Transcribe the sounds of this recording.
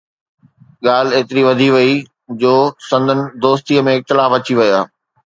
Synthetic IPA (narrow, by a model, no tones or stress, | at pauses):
ɠaːleːt̪ɪɾiʋɐd̪ʱiʋɐi | d͡ʑoːsɐ̃nd̪ʱənɪ̆d̪oːst̪iəmẽɪk̚t̪ɪlaːfɐt͡ɕiʋɐjaː